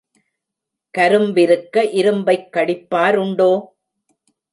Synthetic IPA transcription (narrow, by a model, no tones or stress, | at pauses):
kɐɾɯmbɪɾɯkːɐʔɪɾɯmbɐɪkːɐɽɪpːaːɾʊɳɖoː